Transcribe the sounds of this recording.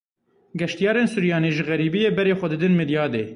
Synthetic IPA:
ɡɛʃt̪ijɑːɾeːnsuɾjɑːneːʒɨɣɛɾiːbijeːbɛɾeːxʷɛd̪ɨd̪ɨnmɨd̪jɑːd̪ḛː

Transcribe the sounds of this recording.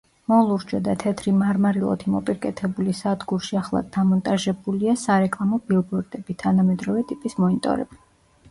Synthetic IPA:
mɔlˠuɾd͡ʒɔd̪at̪ʰɛt̪ʰɾimaɾmaɾilˠɔ̰t̪ʰimɔpʼiɾkʼɛt̪ʰɛbulisad̪ɡuɾʃiaχlˠa̰d̪amɔnt̪ʼaʒɛbuliasaɾɛkʼlˠamɔbilˠbɔɾd̪ɛbit̪ʰanamɛd̪ɾɔvɛt̪ʼipʼismɔnit̪ʼɔ̰ɾɛ̰bi̥

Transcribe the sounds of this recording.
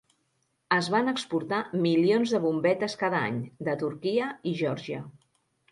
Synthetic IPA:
əzβanəkspuɾt̪amilionzðəβumbɛt̪əskaðəa̰ɲd̪ət̪uɾkiəiʒɔɾʒiə

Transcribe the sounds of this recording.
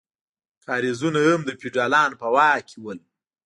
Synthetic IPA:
kɑːɾizunaəmd̪əpiɖɑlɑnpəwɑkʰiwəl

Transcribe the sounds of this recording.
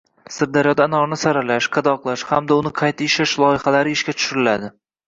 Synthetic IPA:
sɪɾd̪aɾjɒd̪aːnɒɾnɪsaɾalaʃqʰɑd̪ɒqlˠaʃhamd̪aʊnɪqʰɑjt̪ʰaɪʃaʃlˠɒɪhalaɾɪɪʃkʲat̪ʰʊ̥ʃʊɾɪlad̪ɪ

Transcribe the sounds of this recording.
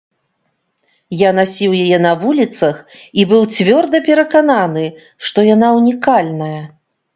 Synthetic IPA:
janasʲiwjajɛnɐvulʲit̪sɐxibɨwt͡sʲvʲɔrd̪ɐpʲɛɾɐkananɨ | ʂt̪ɔjanaunʲikalʲnɐjɐ

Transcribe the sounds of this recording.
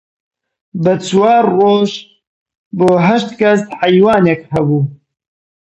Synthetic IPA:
bət͡swaːrroːʒ | boːɦɐʃt̪kɐst̪ħajwaːnekhɐbuː

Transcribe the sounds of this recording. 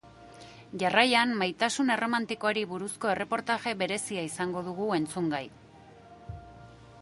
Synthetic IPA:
ʝarajanmajt̪asune̞ro̞mant̪ikoaɾiβuɾusko̞e̞re̞po̞ɾt̪aʝe̞βe̞ɾe̞siaisaŋɡo̞ðuɣ̞ue̞nt͡suŋɡaj

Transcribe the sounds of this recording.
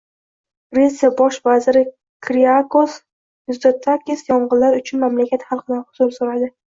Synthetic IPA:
ɾesabɒʃvazɪɾɪ | kʰɾiakos | jʊzd̪ot̪ʰːakʲɪsjɒɴʁɨllaɾʊt͡ʃʰʊnmamlakʲʰat̪χalˠqɨlanhʊzʊɾsʊɾad̪ɪ

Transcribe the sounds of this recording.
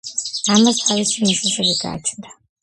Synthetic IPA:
amast̪ʰavisiniʃɛʃɛbiɡa̰ːt͡ʃʰnd̪a

